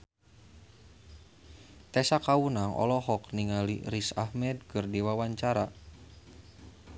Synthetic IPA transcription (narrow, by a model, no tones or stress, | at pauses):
t̪ɛsakaunaŋʔɔ̰lɔɦɔk̚niŋalḭɾisahmɛd̪̚kɨrdiwawaɲt͡ʃaɾa